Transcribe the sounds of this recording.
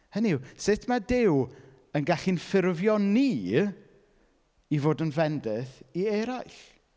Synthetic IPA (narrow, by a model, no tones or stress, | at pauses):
hənisɪtʰmadɪw | ənɡaɬinfɪrvjɔniː | ivoːdənvɛndɪθiɛɾajɬ